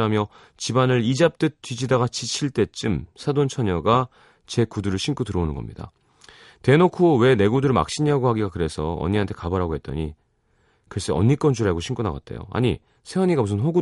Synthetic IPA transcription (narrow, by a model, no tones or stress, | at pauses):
amjʌ | t͡ɕibanɯɾid͡ʑap̚t͈ɯt͈ɥid͡ʑidaɣat͡ɕit͡ɕʰiɭt͈e̞t͡ɕ͈ɯmsʰadont͡ɕʰʌɲʌɡa | t͡ɕe̞kuduɾɯɭɕʰink͈ʰutɯɾʌonɯnɡʌ̰mɲida̰ | te̞nokʰowe̞ne̞ɡudɯɾɯɭma̰k̚ɕ͈iɲiaɡoɦaɡiɡakɯɾe̞sʰʌʌ̰ɲːiɦantʰe̞kabaɾɦaɡoɦe̞t̚t͈ʌ̰ɲi | kɯes͈eʌ̰ɲːik͈ʌnd͡ʑuɾaɡoɕʰiŋk͈una̰ɡa̰t̚t͈ejo̰a̰ɲḭ | sʰe̞ʌɲiɡamusʰɯnɸoɡu